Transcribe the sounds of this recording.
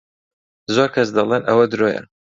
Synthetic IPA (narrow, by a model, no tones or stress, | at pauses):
zoɾkʰɐsd̪ɐlˠenʔɐ̰wɐd̪ɨɾojɐ̰